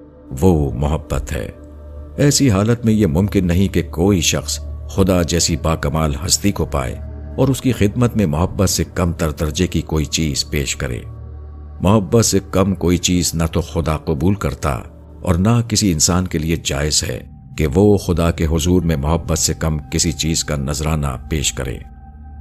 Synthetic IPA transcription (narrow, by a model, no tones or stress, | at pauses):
ʋomʊɦəbːət̪ɦɛ̰ː | ɛːsiɦaːlət̪mẽjemʊ̃mkɪnːɐɦĩkekoːiʃɐxsxʊd̪ad͡ʒɛːsibaːkɐmaːlɦɐst̪ikopa̰ːḛ | ɔːɾʊskixɪd̪̚mət̪mẽmʊɦəbːət̪sekɐmd̪ɐɾd̪ɐɾd͡ʒekikoːit͡ʃiːz̥peːʃkɐɾḛː | mʊɦəbːət̪sekɐmkoːit͡ʃiːznat̪oxʊd̪aqʊbuːlkɐɾt̪a̰ | ɔ̰ːɾnakɪsiɪ̃nsaːnkelied͡ʒa̰ːɪzɦɛ̰ | keʋoxʊd̪akeɦʊzuːɾmẽmʊɦəbːət̪sekɐmkɪsit͡ʃiːz̥kanɐzɾaːna̰peːʃkɐ̰ɾḛː